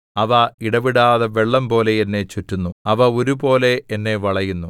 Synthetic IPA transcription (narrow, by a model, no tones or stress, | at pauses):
ɐʋɐiɽɐʋiɽaːðɐʋe̞ɭːɐmpo̞ːleenːe̞t͡ɕutːunːuɐʋɐoɾubo̞ːle̞ːnːe̞ʋɐɭɐjunːu